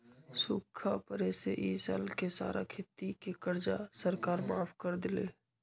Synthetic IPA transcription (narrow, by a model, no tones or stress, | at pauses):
sʊːkʰːapəɾeseʔiːsə̰lkesa̰ːɾʔa̰kʰet̪ːikekəɾd͡ʒasəɾkaːɾmaːfʰkəɾd̪ɪlḛː